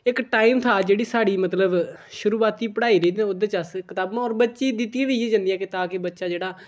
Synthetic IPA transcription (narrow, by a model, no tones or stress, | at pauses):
ɪkʈaːiːmt̪ʰaːd͡ʒeːɽiːsaːɽiːmət̪ləbʃʊɾuːaːt̪iːpəɽaːiːɾiːd̪̃ːʊd̪et͡ʃəskɪt̪aːbãːɔːɾbətːʃiːd̪ɪt̪ːijãːʋiːeːd͡ʒãːnd̪ijãːket̪aːkebətːʃaːd͡ʒeːɽaː